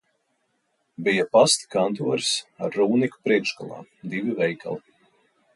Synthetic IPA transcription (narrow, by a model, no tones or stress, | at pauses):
bijapast̪i̥kant̪uɔɾi̥saɾːuːniku̥pɾiɛkʃkalˠa̰ːd̪ivivɛjkʰa̰lˠi